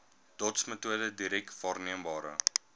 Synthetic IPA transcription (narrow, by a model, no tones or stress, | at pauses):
d̥ɔtsmətuədədiɾɛk̚tvɑːrniəmbɑːɾə̰